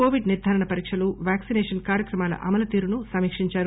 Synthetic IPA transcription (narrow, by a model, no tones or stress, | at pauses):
oːʋiɖniɾd̪ʱaːɾɐɳɐpɐɾiːkʂɐluʋaːksinɛːʂɐnkaːɾjɐkɾɐmaːlɐ̰ʔɐ̰mɐlɐt̪iːɾunusɐmiːkʂiɲt͡ʃaːɾu